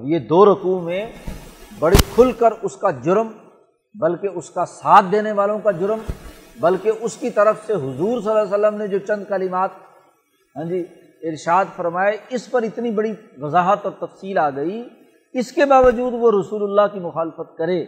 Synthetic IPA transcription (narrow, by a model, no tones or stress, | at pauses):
ɐbjed̪oːɾɐkuːmẽ | bɐɽikʰʊlkəɾʊskad͡ʒʊɾm | bɐlkeʊskasaːt̪̚ʰd̪eːneʋaːlõkad͡ʒʊɾmbɐlkeʔʊskit̪ɐɾəfseɦʊzuːɾs̬əlas̬əlːəmned͡ʒoːt͡ʃɐ̃nd̪kɐlɪmaːt̪̚ | ɦɛ̃ːd͡ʒi | ɪɾʃaːd̪fɐɾmaːeɪspɐɾɪt̪nibɐɽiʋɐzaːɦət̪ɔːɾt̪ɐfsiːlaːɡɐi | ɪskebaːʋəd͡ʒuːd̪ʋoɾɐsuːlʊlːakimʊxaːlfət̪̚kɐɾeː